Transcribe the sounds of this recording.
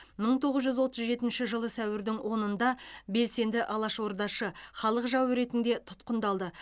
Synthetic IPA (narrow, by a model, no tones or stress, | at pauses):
məɴt̪ʰo̞ʁəzʒʏzwo̞t̪əzʒe̞t̪ɪnʃɪʒəlˠəsæwɪɾd̪ɪŋwo̞nənd̪ɑbe̞lse̞nd̪ɪʔɑlˠɑʃwo̞ɾd̪ɑʃəχɑlˠəqʒɑwɾe̞t̪ɪnd̪e̞t̪ʰʊ̥t̪qənd̪ɑlˠd̪ə